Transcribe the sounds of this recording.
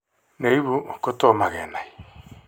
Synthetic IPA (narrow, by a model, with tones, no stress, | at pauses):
ne˨i˦βu˦˨ko˦to˦˨ma˨ɣɛ̰˨na˨i˨